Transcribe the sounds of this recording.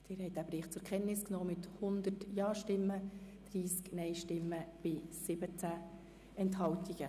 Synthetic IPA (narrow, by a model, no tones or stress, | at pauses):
d̥ɪːɾhɛɪt̚dæbɾiːχt͡sʊɾkʰɛnnɪsknɔːmɪt̪hʊnd̪ətjɑːʃtɪmːəd̪̥ɾiːsknɛjʃtɪmːəb̥ɪsɪbət͡sæ | ɛnthɑwtiɡ̥ə